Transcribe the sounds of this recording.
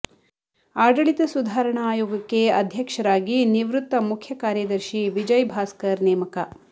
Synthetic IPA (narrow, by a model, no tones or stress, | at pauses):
aːɖɐɭit̪ɐsud̪ʱaːɾɐɳɐaːjoːɡɐkːeɐd̪ʱjɐkʂɐɾaːɡiniʋɾut̪ːɐmukʰjɐkaːɾjɐd̪ɐɾʃiʋid͡ʒɐjbʱaːskɐɾnɛːmɐkɐ